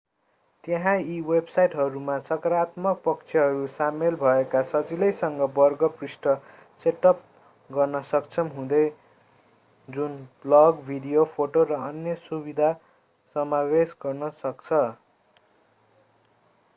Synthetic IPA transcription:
t̪jʌɦãiwebsajʈɦʌɾumat͡sʌkʌɾat̪mʌk̚pʌkt͡sʰjʌɦʌɾusamelbʱʌekasʌd͡zilʌjsʌŋɡʌbʌrɡʌprisʈʌ | seʈʌp̚ | ɡʌrnʌsʌkt͡sʰʌmɦũd̪ʌj | d͡zunblʌɡbʱiɖijopʰoʈorʌʌnjʌsubid̪ʱa | sʌmawesɡʌrnʌsʌkt͡sʰʌ

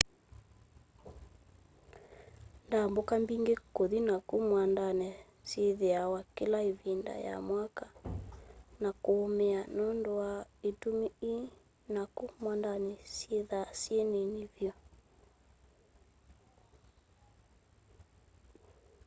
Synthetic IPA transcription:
ndambɔkambiŋɡekoðinakumwandanɛ | seðɛawakilaivinda̰ja̰mwaka | nakoːmɛanɔndɔaitumii | nakumwandanɛseðasiɛnenivjɔ

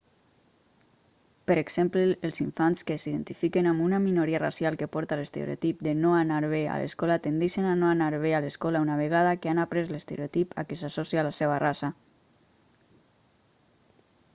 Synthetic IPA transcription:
pəɾeɡz̥empləːlˠziɱfanskesiðent̪ifikenamunaminoɾiara̰sjalˠkepɔɾt̪alest̪ḛɾḛo̰t̪ip̚d̪enoanaɾβea̰lḛskɔlat̪end̪eʃenanoanaɾβ̞ealəskɔlaunaβeɣaðakeanapɾezlest̪ḛɾeot̪ipʰa̰kesasɔsialaseβarasa

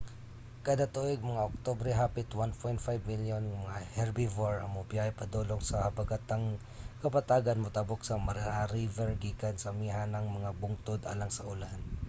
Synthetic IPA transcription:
kad̪at̪uʔjɡ̚mɐŋaʔok̚t̪obɾɛɦapɪt̪wanpʰojnt̪fajbmiljonmɐŋahɛɹbivaɹɐ̰ŋmʊpjahjpɐd̪oloŋsɐbɐɡat̪aŋ | kɐpɐt̪aːɡɐnmʊt̪aboksɐmɐɾaɾivɛɹɡiːkɐnsɐmiɦanɐŋmɐŋabʊŋt̪od̪a̰laŋsɐʔʊlahan

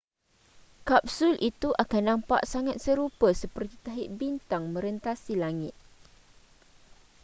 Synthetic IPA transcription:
kap̚sulʔit̪uʔakanːãmpa̰ʔsaŋat̪̚səɾupəsəpərt̪it̪aɦiʔ̚bint̪aŋmə̃ɾənt̪asilaŋɪt̪̚

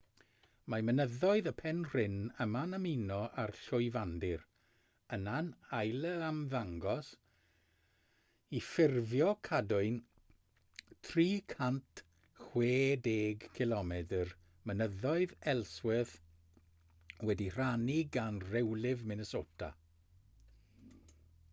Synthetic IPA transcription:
mamənəðɔɨðəpʰɛnr̥ɪnəmanaminɔʔarɬʊɨvandɪr | ənanajlˠəamðaŋɡɔs | ifɪrvjɔkʰadʊɨn | tʰriːkʰant | χweːdeːɡkʰɪlɔmɛdər | mənəðɔɨðɛlˠswɪθ | wɛdir̥aniɡanrɛwlɪvmɪnəsoːtʰa̰

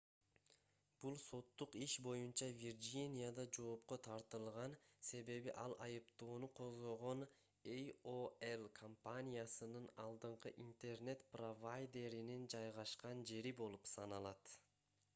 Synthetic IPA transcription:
b̥ulˠso̞t̪ːuqiʃbo̞junt͡ʃɑvʲird͡ʒinʲijad̪ɑd͡ʒo̞ːp̚qo̞t̪ʰɑɾt̪ɯlˠʁɑnse̞βe̞βiʔɑlˠʔɑjɯpt̪o̞ːnuqʰo̞zʁo̞ʁo̞n | ejoelˠkʰompanʲijasɯnɯnɑlˠd̪ɯɴqɯʔint̪e̞rne̞t̪provajd̪ʲe̞ɾinind͡ʒɑjʁɑʃqɑnd͡ʒe̞ɾibo̞lˠupsɑnɑlˠɑt̪

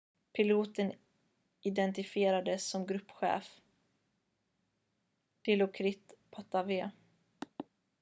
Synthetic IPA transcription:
pʰɪluːt̪ən | ɪd̪ɛnt̪ɪfɪeːɾad̪əsːɔmɡɾɵpːɧɛ̰ːf | d̪̥ɪlʊkʰɾɪt̪pʰat̪aveː

